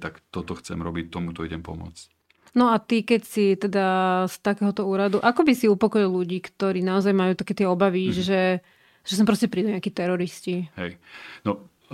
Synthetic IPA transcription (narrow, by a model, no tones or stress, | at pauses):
t̪akt̪ɔt̪ɔxt͡sɛ̰mɾɔbic̚t̪ɔmut̪ɔiɟɛmpɔ̰mʊɔ̰t͡sc | nɔat̪ikɛcsit̪ɛd̪ast̪akɛːɦɔt̪ɔuːɾad̪uʔakɔbisiupɔkɔilʎuɟiːkt̪ɔɾiːnaɔzajmajuːt̪akɛːt̪ɪɛɔbaʋiʒɛ | ʒ̥ɛs̬ɔmpɾɔscɛpɾid̪uɲɪakiːt̪ɛɾɔɾisciɦɛjnɔ